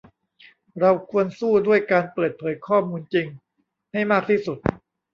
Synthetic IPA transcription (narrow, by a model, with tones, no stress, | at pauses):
ɾa˧wkʰu˧ənsuː˥˩du˥˩əjkaː˧npɤː˨˩t̪̚pʰɤː˩˦jkʰɔː˥˩muː˧nt͡ɕi˧ŋ | ha˥˩jmaː˥˩k̚t̪ʰiː˥˩su˨˩t̪̚